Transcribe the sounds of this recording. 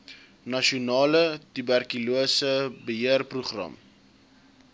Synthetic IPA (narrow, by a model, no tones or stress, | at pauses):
nɐʃiunɑːlətybærkiluəsəbəɦiərpruχrɐ̰m